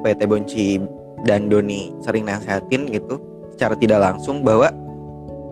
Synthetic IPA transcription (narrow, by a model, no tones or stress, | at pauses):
upaat̪eboɲt͡ʃi | dandonisəɾɪŋnaŋseɦat̪ɪnɡit̪u | sə̥t͡ʃaɾat̪idaʔlaŋsʊŋbaɦwa